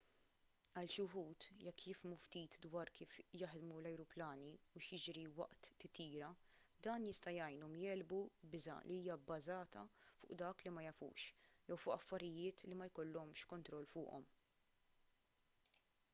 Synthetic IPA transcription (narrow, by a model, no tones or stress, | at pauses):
ɐlʃʊɦuːt̪jɛkːjɪfmuft̪iːt̪d̪wɐːɾkiːfjɐħd̪mulɐjɾʊplɐːniuʃjɪd͡ʒɾiwɐ̰ʔt̪ːɪt̪iːɾɐ | d̪ɐːnjɪst̪ɐjɐjnɔmjɛːlbubɪzɐ̰lʔiiːjɐbːɐzɐːt̪ɐfʊ̰ːʔd̪ɐːklimɐjɐfṵːʃjɛwfʊʔɐfːɐɾɪjɪːt̪limɐjkɔlːɔmʃkɔnt̪ɾɔlːfʊ̰ːʔɔ̰m